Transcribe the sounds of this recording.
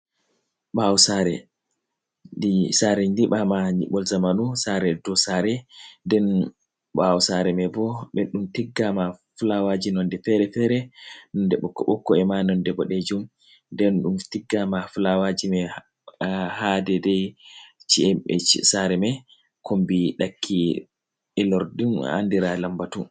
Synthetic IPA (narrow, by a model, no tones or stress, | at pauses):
ɓawusaɾɛ | disaɾɛɲdiɓamaɲḭɓɔlzamanusaɾɛdɔsaɾɛdɛn | ɓawsaɾɛmɛbɔɓɛɗumtiɡːamafulawad͡ʒinɔndɛfɛɾɛfɛɾɛnɔndɛɓɔkːɔɓɔkːɔɛmanɔndɛbɔɗed͡ʒum | dɛnɗumtiɡːamafulawad͡ʒimɛ | hadɛdɛjt͡ʃiɛɛ̰t͡ʃsaɾɛmɛ | kʰombiɗakʰːi | ɛlɔɾdima̰ndiɾalambatun